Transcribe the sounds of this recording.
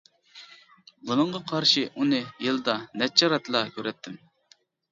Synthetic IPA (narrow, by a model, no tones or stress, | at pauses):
bunɨɴʁɑqʰɑɾʃiʔunɨjɨlˠɨd̪ɑnɛt͡ʃʰːɑɾɑt̪ʰlˠɑkʰʲøɾɛt̪ʰːɪm